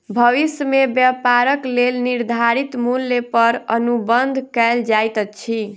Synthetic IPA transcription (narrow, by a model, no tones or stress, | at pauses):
bʱəʋisjəmebjəpaɾəklelniɾd̪ʱaɾit̪mulːepəɾənubənd̪ʱkɛld͡ʒajt̪ət͡ʃʰi